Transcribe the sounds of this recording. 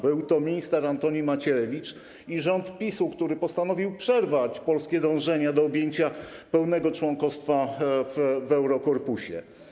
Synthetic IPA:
bɘwt̪ɔmʲiɲist̪ɛɾant̪ɔɲimat͡ɕɛɾɛvʲit͡ʂ | iʐɔnt̪pʲisukt̪uɾɘpɔst̪anɔvʲiwpʂɛɾvat͡ɕpɔlskʲɛd̪ɔ̃w̃ʐɛɲad̪ɔːbʲjeɲt͡ɕapɛwnɛɡɔt͡ʂwɔŋkɔst̪favvɛwɾɔkɔɾpuɕɛ̰

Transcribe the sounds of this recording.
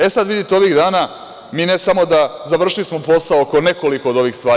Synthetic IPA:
esad̪ʋid̪it̪eo̞ʋiɣd̪aːna | miːnesamo̞d̪azaʋr̩ʃlismo̞po̞saoko̞ne̞ko̞liko̞od̪o̞ʋiːxst̪ʋaː

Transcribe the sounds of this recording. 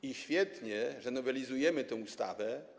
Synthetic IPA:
iɕfʲjɛt̪ɲɛʐɛnɔvɛlʲizujɛmɘt̪ɛ̃w̃ust̪a̰vɛ

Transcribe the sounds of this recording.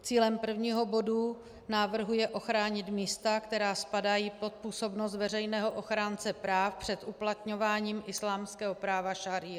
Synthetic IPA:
t͡siːlɛmpr̩vɲiːɦo̞bo̞du | naːvr̩ɦujɛʔo̞xɾaːɲɪt̪miːst̪akt̪ɛɾaːspadajiːpo̞t̪̚puːso̞bnos̬t̪vɛrɛjnɛːɦo̞ʔo̞xɾaːnt͡sɛpɾaːfpr̝̥ɛt̪ʔuplat̪ɲo̞vaːɲiːmʔɪslaːmskɛːɦo̞pɾaːvaʃaɾɪ

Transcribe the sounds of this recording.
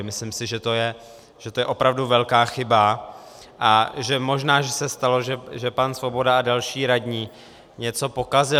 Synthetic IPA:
mɪslɪmsɪʒɛt̪o̞jɛ | ʒ̥ɛt̪ojɛʔo̞pɾavduvɛlkaːxɪba | ʔaʒɛmo̞ʒnaːʒɛsɛst̪alo̞ʒɛʒɛpansvo̞bo̞daadalʃiːɾadɲiː | ɲɛt͡so̞po̞kazɪ

